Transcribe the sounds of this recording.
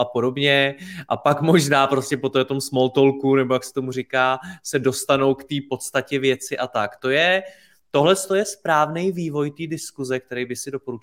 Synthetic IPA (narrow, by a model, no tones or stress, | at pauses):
ʔapo̞do̞bɲɛʔapakmo̞ʒnaːpɾo̞scʲɛpo̞t̪ot̪o̞msmo̞lt̪o̞lkunɛbo̞jaksɛ̥t̪omurɪkaːsɛdo̞st̪ano̞wkt̪iːpo̞t̪st̪acɛvjɛt͡sɪʔat̪akt̪o̞jɛ | t̪o̞ɦlɛst̪o̞jɛspɾaːvnɛjviːvo̞jt̪iːdɪskuzɛk̚t̪ɛɾɛjbɪsɪdo̞po̞ɾut͡ʃ